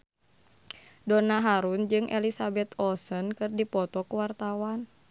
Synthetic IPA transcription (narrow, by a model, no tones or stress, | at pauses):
dɔnaɦaɾund͡ʒɨŋʔɛ̰lisabɛt̪ɔsənkɨrdipɔt̪ɔkəwart̪awan